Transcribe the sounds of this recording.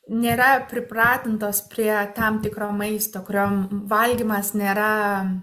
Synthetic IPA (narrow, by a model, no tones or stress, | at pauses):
nʲeːɾɐpʲɾʲɪpɾɑːt̪ʲɪnt̪oːspʲɾʲiɛt̪ɐmt̪ʲɪkɾoːmɐɪst̪oːkʊɾʲoːmʋɐlʲɡʲimɐsnʲeːɾɐ